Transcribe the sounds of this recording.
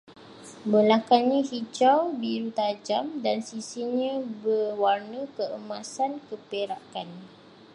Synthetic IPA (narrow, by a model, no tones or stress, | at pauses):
bəlakanɲãhit͡ʃawbiɾut̪ad͡ʒamdansisiɲãbərwarnə̃kəəmãsankəpeɾakan